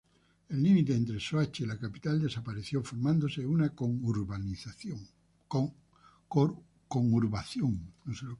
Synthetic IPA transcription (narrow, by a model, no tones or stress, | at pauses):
e̞lːimit̪eːnt̪ɾesoat͡ʃeilakapit̪ald̪e̞sapaɾeθjofoɾmãnd̪oseunakoŋuɾβaniθo | koŋuɾβaθjoŋnoselo